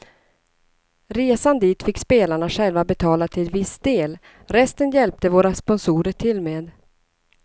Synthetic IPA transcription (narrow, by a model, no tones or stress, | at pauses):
ɾeːsand̪iːt̪fɪkːspeːlaɳaɧɛlvabɛt̪ʰɑːlat̪ʰɪlvɪsd̪̥eːl | ɾɛst̪ənjɛlp̚t̪əvoːɾaspɔnsuːɾəʈʰɪlːmeːd̪